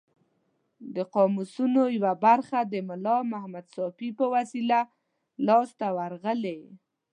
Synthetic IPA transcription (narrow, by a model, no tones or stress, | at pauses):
d̪əqɑmusunojwabaɾxad̪əmʊlɑmahmad̪sɑfipəwasila | lɑst̪awaɾɣəle